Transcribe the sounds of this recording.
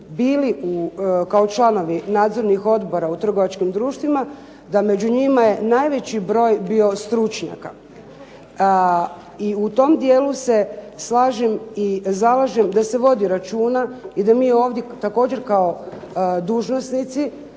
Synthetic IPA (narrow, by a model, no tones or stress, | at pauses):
biːliukao̞t͡ʃlˠano̞ʋinaːd̪zo̞ɾnixo̞d̪bo̞ɾaut̪r̩ɡo̞ʋat͡ʃkimd̪ɾuːʃt̪ʋima | d̪ame̞d͡ʑuɲimaje̞najʋe̞t͡ɕibɾo̞ːjbiːo̞st̪ɾut͡ʃɲa̰ka | iut̪o̞md̪je̞ːluse̞slˠaːʒemizalaʒemd̪ase̞ʋo̞d̪iɾat͡ʃuːnaid̪amiːo̞ːʋd̪je̞t̪ako̞ːd͡ʑe̞ɾkao | d̪uːʒno̞snit̪si